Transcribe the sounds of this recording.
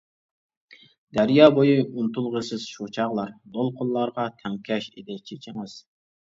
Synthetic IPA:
d̪æɾjɑːbojiunt̪ulˠʁəsɨz̥ʃot͡ʃʰɑʁlˠɑɾd̪olˠqʰʊnlˠlːˠɑɾʁɑt̪ʰɛŋkʲʰɛʃɪ̰d̪ɪt͡ʃʰet͡ʃʰɪmɛs

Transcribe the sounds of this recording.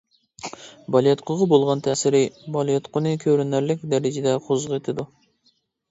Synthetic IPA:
bɑlˠjet̪qʰʊʁɑbolˠʁɑnt̪ʰɛsɪɾɪbɑlˠjet̪qʰʊnɨkʲʰøɾynæɾlɪk̚ʲd̪ɛɾɪd͡ʒɪd̪ɛqʰozʁet̪ʰɪd̪u

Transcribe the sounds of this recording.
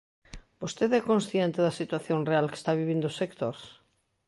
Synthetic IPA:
bost̪eðɛkõnsθjent̪eðɐsit̪waθjoŋrealke̥st̪aβiβind̪oʊsekt̪oɾs

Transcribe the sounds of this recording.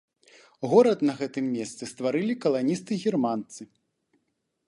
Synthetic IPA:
ɣɔɾɐt̪nɐɣɛt̪ɨmːʲɛst̪sɨst̪vaɾɨlʲikɐlˠanʲist̪ɨɣʲirmant̪sɨ

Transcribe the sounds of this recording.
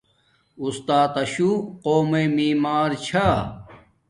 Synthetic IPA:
ust̪aːt̪ɐɕuqoːmemiːmaːɾt͡ɕʰa

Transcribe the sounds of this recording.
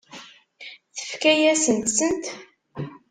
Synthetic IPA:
θə̥fkæjæsənt̪sənt̪

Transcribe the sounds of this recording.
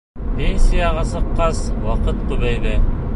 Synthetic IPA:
penʲsʲijɑʁɑsɤ̆qːɑswɑqɤt̪qʉβæjðɘ

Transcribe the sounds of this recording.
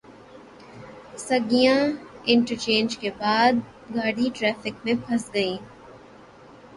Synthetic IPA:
sɐɡijãɪ̃ɳʈəɾt͡ʃẽːnd͡ʒkebaːd̪̚ | ɡaːɽiʈɾɛːfɪkmẽbʰʱɐsɡɐĩː

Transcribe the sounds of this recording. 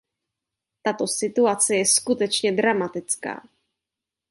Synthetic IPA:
t̪at̪o̞sɪt̪uat͡sɛjɛskut̪ɛt͡ʃɲɛd̪ɾamat̪ɪt͡ska̰ː

